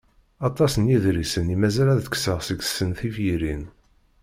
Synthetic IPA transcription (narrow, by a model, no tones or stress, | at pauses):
ɑt̪ˤɑsənjiðɾisənimæzælæðkːsəʁsəɡsːənθifjiɾin